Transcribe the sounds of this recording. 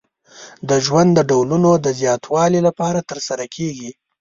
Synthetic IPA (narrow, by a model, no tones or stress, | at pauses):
d̪əʒwand̪dːəɖawlunod̪əzjɑt̪ʰwɑlilapɑɾat̪əɾsaɾakʰeɡi